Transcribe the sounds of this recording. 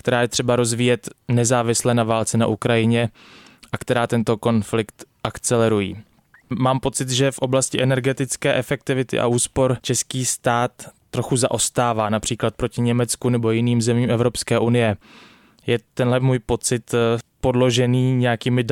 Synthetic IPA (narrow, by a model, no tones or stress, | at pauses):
kt̪ɛɾaːjɛt̪r̝̥ɛbaɾo̞zviːjɛt̪nɛzaːvɪslɛːnavaːlt͡sɛnaʔukɾajɪɲɛ | ʔakt̪ɛɾaːt̪ɛnt̪o̞ko̞nflɪkt̪ʔakt͡sɛlɛɾujḭː | maːmpo̞t͡sɪt̪ʒɛfʔo̞blascɪʔɛnɛɾɡɛt̪ɪt͡skɛːʔɛfɛk̚t̪ɪvɪt̪ɪ̰ʔa̰ʔuːspo̞ɾt͡ʃɛskiːst̪aːt̪ː | ɾo̞xuza̰ʔo̞st̪aːvaːnapr̝̥iːklat̪̚pɾo̞cɪɲɛmɛt͡skunɛbo̞jɪniːmzɛmiːmɛvɾo̞pskɛːʔunɪjɛ | jɛt̪ɛnlɛmuːjpo̞t͡sɪt̪po̞dlo̞ʒɛniːɲɛjakiːmɪ